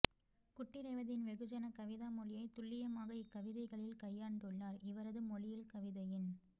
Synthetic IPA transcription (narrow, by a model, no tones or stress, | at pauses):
kʊʈːɪɾɐɪʋɐðɪnʋɛɣɯd͡ʒɐnɐkɐʋɪðaːmɔlɪjɐɪt̪ʊɭːɪjɐmaːɣɐɪkːɐʋɪðɐɪɣɐɭɪlkɐjːaːɳɖɯɭːaːɾɪʋɐɾɐðɯmɔlɪjɪlkɐʋɪðɐjɪn